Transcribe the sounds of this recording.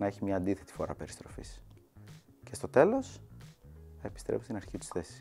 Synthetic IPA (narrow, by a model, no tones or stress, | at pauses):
nɐe̞çimɲɐːnd̪iθe̞t̪i̥fo̞ɾɐ̰pe̞ɾist̪ɾo̞fḭs | ce̞st̪o̞t̪e̞lo̞s | ɐepi̥st̪ɾʔefust̪inɐɾçit̪u̥sθesi̥